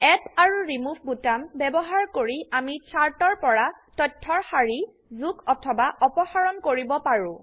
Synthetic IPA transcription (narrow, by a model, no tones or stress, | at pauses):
ɛpaɹuɹimubʱbutambɛbɔɦaɹkoɹiamit͡ʃʰaɹtɔɹpɔɹatɔtʰːɔɹxaɹi | zukɔtʰɔbaʔɔpɔxaɹɔnkoɹibɔpaɹʊ̃